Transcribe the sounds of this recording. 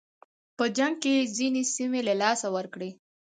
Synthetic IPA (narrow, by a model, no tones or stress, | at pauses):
pəd͡ʒaŋɡ̚kezinesimelalɑsawəɾkɽe